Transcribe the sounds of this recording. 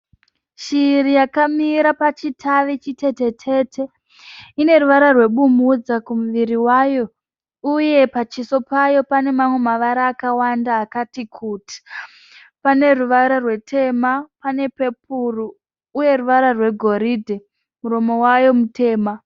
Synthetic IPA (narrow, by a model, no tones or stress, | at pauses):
ʃiːrijakamiɾapat͡ʃitʰaʋit͡ʃite̞te̞t͡ʃʰe̞tʰe̞ | ine̞ruʋaɾarwe̞ɓumud͡zakumuʋiɾiwajo̞ | uje̞pat͡ʃiso̞pajo̞pane̞mamwe̞maʋaɾaːkawandaːkatikʰuti̥ | pane̞ruʋaɾarwe̞tʰe̞mapane̞pe̞p̚uruː | je̞ruʋaɾarwe̞ɡʱo̞ɾidʱe | muɾo̞mo̞wajo̞mute̞ːma